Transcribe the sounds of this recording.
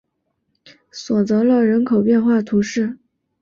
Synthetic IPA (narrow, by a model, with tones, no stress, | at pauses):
swɔ˨˩t͡sɤ˧˥lə˥˧ɻə˧˥nkʰo˨˩ʊpjɛ˥˧nxwa˥˩t̪ʰu˧˥ʂɻ̩˥˩